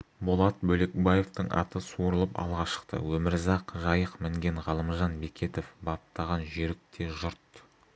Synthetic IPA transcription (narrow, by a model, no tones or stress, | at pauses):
bʊlˠɑt̪̚bɵle̞k̚baje̞ft̪əɴɑ̰t̪əsuɾəlˠəpɑ̰lˠʁɑʃə̥qt̪ə̰wɵmɪɾzɑqʒɑjəqmɪŋɡʲe̞ɴʁɑlˠəmʒɑnbekʲe̞t̪ofbɑp̚t̪ɑʁɑnʒʏɾɪk̚t̪ʰe̞ʒʊɾt̪